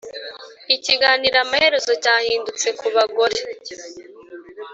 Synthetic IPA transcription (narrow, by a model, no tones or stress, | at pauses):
iciɡaːniɾamahe̞ɾe̞zo̞caːhiːndut͡se̞kuβaɡo̞ɾe